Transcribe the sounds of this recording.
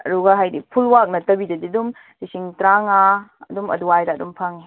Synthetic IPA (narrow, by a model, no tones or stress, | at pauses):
ɐ̰duɡɐɦajdipʰulwak̚nɐtɐbidɐdidum | d̥isiŋtɾaŋaɐ̰dumɐ̰duajdaːdumpʰɐŋi